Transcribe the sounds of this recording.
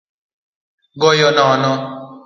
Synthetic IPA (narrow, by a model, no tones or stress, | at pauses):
ɡɔjɔnãnɔ̃